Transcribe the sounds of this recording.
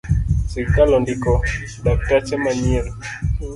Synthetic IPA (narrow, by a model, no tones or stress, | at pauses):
siɾikalɔndikɔ | dak̚tat͡ʃɛmaɲɛɾi